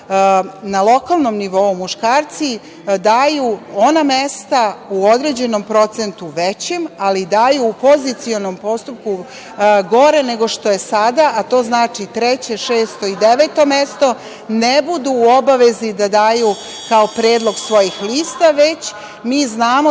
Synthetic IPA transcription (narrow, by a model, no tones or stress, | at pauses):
nalˠo̞kalˠno̞mniʋo̞umuʃkaːɾt̪si | d̪aːjuo̞namest̪auo̞d̪ɾe̞d͡ʑe̞no̞mpɾo̞t̪sent̪uʋet͡ɕemalid̪aːjuːpo̞zit̪sio̞nompo̞st̪up̚ku | ɡo̞ɾe̞ne̞ɡo̞ʃt̪o̞je̞sad̪aʔat̪o̞ːznaːt͡ʂit̪ɾet͡ɕe̞ʃeːst̪o̞id̪eʋet̪o̞me̞st̪o̞ | nebud̪uːo̞baʋe̞zid̪ad̪aːju | kaopɾeːd̪lˠo̞ɡsʋo̞jixliːst̪aʋet͡ɕ | miːznaːmo